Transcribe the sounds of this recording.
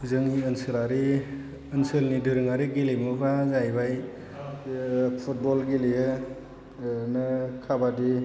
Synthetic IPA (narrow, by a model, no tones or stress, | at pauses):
zɯŋiɯnsɯlaɾi | ɯnsɯlnidɯɾɯŋaɾiɡilimubʰazajbaj | pʰut̚bɔlɡilijɯ | nɯkʰabadi